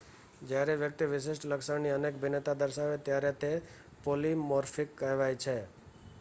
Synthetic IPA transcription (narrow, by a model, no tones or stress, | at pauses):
d͡ʒjaɾeʋjək̚t̪iʋɪʃ̬ɪʃʈləksəɳniənek̚bʱɪnet̪ad̪əɾʃaɦʋet̪jaɾet̪e | polimɔɾfʰɪkːəɦʋajt͡ʃʰe